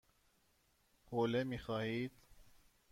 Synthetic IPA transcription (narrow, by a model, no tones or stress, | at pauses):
hoːlemixɑːhiːt̪